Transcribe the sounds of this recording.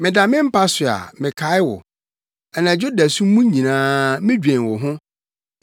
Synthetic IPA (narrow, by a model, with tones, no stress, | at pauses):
mɪ̃˨da˨mɪ̃˦m̩˦pʰa˦sʊ˨a̰˨mɪ̃˨kʰa˨˦ɪ˦wɔ̰˨ | ɛ˨nã˨d͡ʑo˦da˨sũ˦m˦mũ˦ɲ˦ɲĩ˨nãː˦mɪ̃˦d͡ʑᶣɛ̃˨n˨wɔ˨ɦʊ̃˦